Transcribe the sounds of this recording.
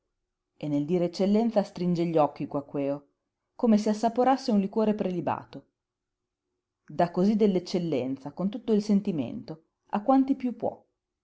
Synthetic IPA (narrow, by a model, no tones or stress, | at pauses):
enːeld̪iːɾeet͡ʃːelːɛnt̪sast̪ɾind͡ʒeʎːɔk̟ːikwakːwɛːo | koːmes̬easːapoɾasːeunlikwoːɾepɾeliba̰ːt̪o | d̪akːozid̪elːet͡ʃːelːɛnt̪sakont̪ut̪ːoilsent̪imḛnt̪o | a̰kːwant̪ipjupːwɔ̰